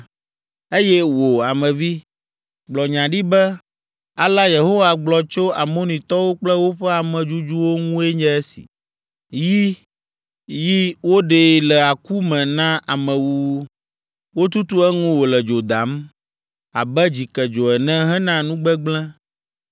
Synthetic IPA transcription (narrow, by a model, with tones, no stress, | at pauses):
e˦jɛ˦wo˨a˨mɛ̃˨vi˦ | ɡ͡blɔ˨ɲã˨ɖi˦bɛ˦ | a˨la˦je˨ɦo˦wa˨ɡ͡blɔ˨t͡ʃo˦a˨mo˦nĩ˨t̪ɔ˦wo˦k͡plɛ˦wo˦ɸɛ˦a˨mɛ̃˨d͡ʒu˦d͡ʒu˦wo˦ŋũ˦ɛ˦ɲɛ̃˦ɛ˦sḭ˨ | ji˦ | ji˦wo˦ɖe˨lɛ˨a˨ku˦mɛ̃˨nã˦ʔa˨mɛ̃˨wu˦ | wo˦t̪u˦t̪u˦ɛ˦ŋũ˦wo˨lɛ˨d͡ʒo˨d̪a˨˦m | a̰˨bɛ˦d͡ʑi˨kɛ˨d͡ʒo˨ɛ˨nɛ̃˦ɦɛ˦nã˦nũ˦ɡ͡bɛ˦ɡ͡blɛ̃˦